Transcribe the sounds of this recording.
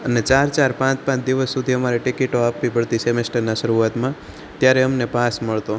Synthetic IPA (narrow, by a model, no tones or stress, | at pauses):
ənet͡ʃaɾt͡ʃaɾpãt͡ʃpãt͡ʃd̪iʋəsːud̪ʱiəmaɾeʈikiʈoapʋibʱəɽt̪isemesʈəɾnaʃəɾuʋat̪mã | t̪jaɾɛəmnepasməɭt̪o